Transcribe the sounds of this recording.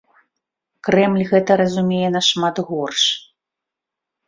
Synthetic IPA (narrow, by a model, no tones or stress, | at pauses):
kɾɛmlʲɣɛt̪ɐɾɐzumʲejɛnɐʂmat̪ɣɔrʂ